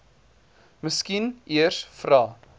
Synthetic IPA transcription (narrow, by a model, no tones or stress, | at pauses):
məskinʔiərsfrɑː